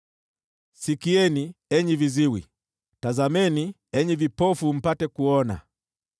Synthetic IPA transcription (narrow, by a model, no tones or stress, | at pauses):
sikiɛniɛɲiviziwi | tazamɛni | ɛɲivipɔfum̩patɛkuɔna̰